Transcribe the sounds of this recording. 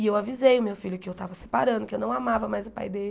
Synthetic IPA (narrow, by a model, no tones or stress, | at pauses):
ɪewavizejʊmewfiʎjʊkɪewt̪avɐse̥paɾɐ̃d̪ʊkɪewnɐ̃w̃amavɐmajzʊpa̰jd̪el